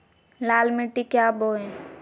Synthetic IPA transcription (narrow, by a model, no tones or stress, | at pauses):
laːlmiʈːikjaboːẽ